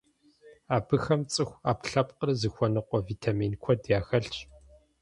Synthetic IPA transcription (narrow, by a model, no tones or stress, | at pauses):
aːbɨxɐmt͡sʼɨxʷaːpɬɐp̚ʼqərzɨxʷɔnɨqʷɔviːtʰaːmiːnkʷʰɔdjaːxɐɬt͡ʃʼ